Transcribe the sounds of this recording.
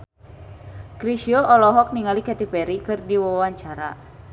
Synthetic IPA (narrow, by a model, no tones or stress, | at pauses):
kɾiʃiɔʔɔlɔɦɔk̚niŋalikɛt̪ipɛɾikɨrdiwawaɲt͡ʃaɾa̰